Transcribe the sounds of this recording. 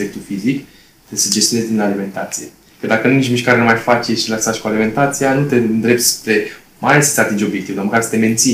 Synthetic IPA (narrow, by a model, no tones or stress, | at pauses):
pek̚t̪ulfizik | t̪esed͡ʒest̪jonezʲd̪inalime̞nt̪at̪sije̞̰ | kəd̪akənunit͡ʃmiʃkaɾenumajfat͡ʃe̞ʃiləsat͡ʃʲkualime̞nt̪at̪sijanut̪e̞nd̪ɾe̞p̚t̪spɾe̞ | maalesə̥t̪seat̪ind͡ʒeo̞bjekt̪ivd̪oməkaɾsə̥t̪e̞me̞nt̪si